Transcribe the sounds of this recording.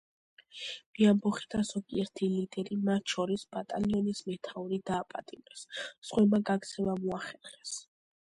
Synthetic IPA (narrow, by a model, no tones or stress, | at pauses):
b̥iambɔχid̪az̥ɔɡiɛɾt̪ʰilid̪ɛɾimat̪ʰʃɔɾisb̥at̪ʼaliɔnismɛt̪ʰauɾid̪aːpʼa̰t̪ʼimɾɛsːχʼwɛmaɡaɡ̪zʰɛvamuaχɛɾχɛs